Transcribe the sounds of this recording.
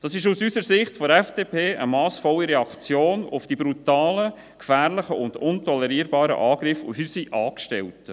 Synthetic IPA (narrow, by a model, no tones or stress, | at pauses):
d̥ɑsɪʃusysəɾsɪχtfɔɛfd̥eːpʰeːʔəmɑːsfɔlːiɾɛɑkt͡sjoːnʊfd̥ibɾutɑːlə | kfæːɾlɪχəʊnd̥ʊntɔlɛɾiːəɾbɑːɾə̰ʔɑːɡ̥ɾɪfo̰ɦysiʔɑːkʃtɛlt